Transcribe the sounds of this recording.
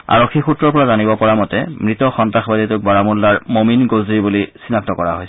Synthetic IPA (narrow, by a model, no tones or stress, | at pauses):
a̰ɹokʰːixutɹɔɹpɔɹazanibɔpɔɹamɔtɛ̰mɹitɔxɔntaxbaditʊk̚baɹamulːaɹmominɡozɹibulisinak̚tɔkɔɹaɦojs